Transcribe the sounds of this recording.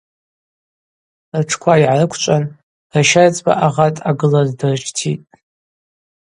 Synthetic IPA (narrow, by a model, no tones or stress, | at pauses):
rʈ͡ʂʰkʷʰaiʕarɨkʷʰt͡ʃʷʼan | raʃart͡sʼba̰ʔaʁatʼaɡɨlazdɨrt͡ʃʰtʰitʼ